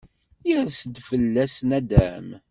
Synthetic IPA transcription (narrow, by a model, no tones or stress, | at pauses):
jəðsəd̪fəlːæsnæd̪æ̰m